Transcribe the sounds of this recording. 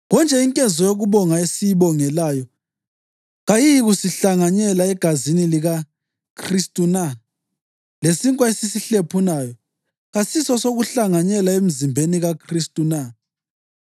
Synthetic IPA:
ɣɔnt͡ʃʼɛiŋkʼɛzɔjoɣuβɔŋaesijiβɔŋɛlajɔ | ɣajijiɣusiɬaŋaɲɛlaɛɡ̥ʱaziniliɣa | kʰristʼuna | lesiŋkʼwaesisiɬepʰunajɔ | ɣasisɔsoɣuɬaŋaɲɛlaem̩zimbʱeniɣakʰristʼuna

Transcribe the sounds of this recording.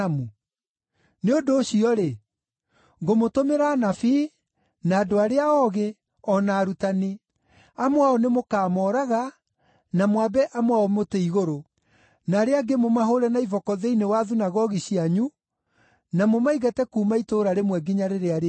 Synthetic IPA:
mu | neondoːɕiɔɾe | ɡomotomeɾaːnafiː | naːdoaɾeaɔɣe | ɔnaːɾutani | amowaɔnemokaːmɔɾaɣa | namwabɛʔamwaɔmoteiɣoɾo | naːɾeaɡemomaɦoɾɛnaivɔkɔðeinewaðunaɣɔɣiɕiaɲu | namomaiɣatɛkuːmaitoːɾaɾemwɛɡiɲaɾeɾeaɾ

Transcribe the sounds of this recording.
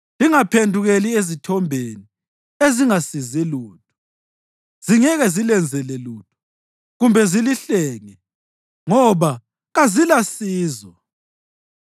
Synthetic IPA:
liŋapʰendʱuɣeliezitʰɔmbʱeni | eziŋasizɛluːtʰu̥ | z̥iŋɛɣɛzilɛnd͡zʱɛlɛluːtʰu̥ | ɣumbʱɛziliɬɛːŋɛ | ŋɔβa | ɣazilasiːzɔ

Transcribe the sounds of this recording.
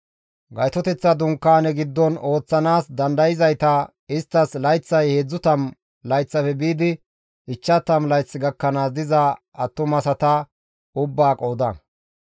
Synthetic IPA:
ɡɐjt̪ɔt̪ɛt͡sːɐd̪ʊŋkːaːnɛɡɪd̪ːɔno̞ːt͡sːɐnaːsd̪ɐnd̪ɐjɪzɐjt̪ɐ | ɪst̪ːɐslɐjt͡sːɐjheːd͡zːʊt̪ɐm | lɐjt͡sːɐfɛbiːd̪ɪ | ɪt͡ʃːɐt̪ɐmlɐjt͡sːɪɡɐkːɐnaːd̪ɪzɐ | ɐt̪ːʊmɐsɐt̪ɐ | ʊbːaːkʼoːd̪ɐ

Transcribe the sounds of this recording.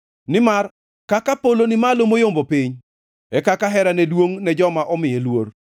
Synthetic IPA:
nɪmar | kakapolonɪmalomojombopiɲ | ɛkakaɦɛɾanɛdwoŋnɛd͡ʒɔmaʔɔmɪjelwor

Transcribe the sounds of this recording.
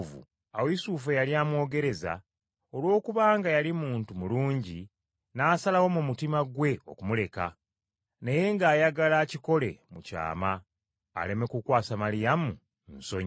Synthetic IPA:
vṵ | aweisuːfejalijaːmwo̞ːɡe̞ɾe̞za̰ | o̞lwo̞ːkuβaːŋɡajalimuːntumuluːɲɟi | naːsalawo̞mumutimaɡwe̞o̞̰kumule̞ka̰ | ne̞je̞ŋɡaːjaɡalaːciko̞le̞̰muca̰ːma̰ː | le̞me̞kukwaːsamalijamu | nso̞ɲ

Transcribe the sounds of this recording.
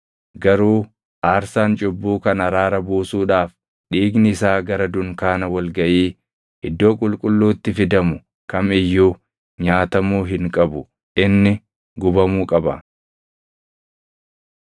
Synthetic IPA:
ɡɐɾuː | ʔaːɾsaːnt͡ʃʼʊbːuːkɐnɐɾaːɾɐbuːsuːᶑaːf | ɗiːɡnɪɪsaːɡɐɾɐd̪ʊŋkaːnɐwɐlɡɐʔiː | ʔɪd̪ːo̞ːkʼʊlkʼʊlːuːt̪ːɪfɪd̪ɐmʊ | kɐmɪjːuː | ɲaːt̪ɐmuːɦɪŋkʼɐbʊ | ʔɪnːɪ | ɡʊbɐmuːkʼɐbɐ

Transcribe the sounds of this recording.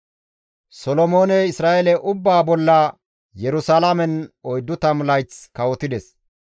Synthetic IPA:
sɔlɔmo̞ːnɛɪsɾaːʔɛlɛʔʊbːaːbɔlːɐ | jɛɾʊsalamɛnɔjd̪ːʊt̪ɐmʊlɐjt͡skɐwɔt̪ɪd̪ɛs

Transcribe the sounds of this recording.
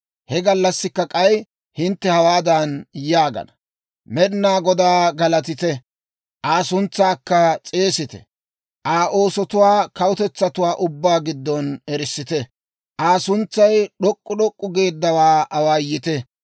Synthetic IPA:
hɛɡɐlːɐsːɪkːɐkʼɐj | hɪnt̪ːɛhɐwaːd̪ɐnjaːɡɐ̰nɐ | mɛɗɪnːaːɡɔd̪aːɡɐlɐt̪ɪt̪ɛ | ʔaːsʊnt͡sːaːkːɐt͡sʼe̞ːsɪt̪ɛ̰ | ʔaːʔo̞ːsɔt̪ʊwaːkɐwʊt̪ɛt͡sːɐt̪ʊwaːʔʊbːaːɡɪd̪ːɔnɛɾɪsːɪt̪ɛ | ʔaːsʊnt͡sːɐjɗɔkʼːʊɗɔkʼːʊɡe̞ːd̪ːɐwaːɐwaːjɪt̪ɛ

